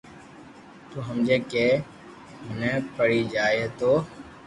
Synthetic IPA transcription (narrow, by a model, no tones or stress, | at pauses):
t̪uːɦəmd͡ʒeːkeː | ɦʊnɛ̃ːpəɽiːd͡ʒaːeːt̪oː